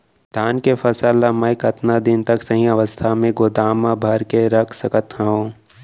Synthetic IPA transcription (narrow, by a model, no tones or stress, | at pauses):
d̪̥ʱaːnkefɐsəlːamə̃ɪkɐt̪nad̪ɪnt̪ɐksɐɦĩɐʋəst̪ʰamẽɡʊd̪aːmãbʱɐɾkeɾɐkʰsəkət̪ɦəɦõː